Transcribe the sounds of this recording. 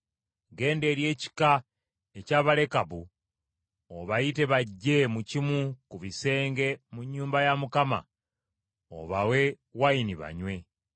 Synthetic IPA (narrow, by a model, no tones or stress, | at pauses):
ɡe̞ːnde̞ːɾje̞ːci̥ka | e̞caːβale̞kaβu | oβajite̞βaɟːe̞mucimwukuβise̞ːŋɡe̞muɲːuːmbajamukama̰ | o̰βawe̞ | wainiβa̰ɲwe̞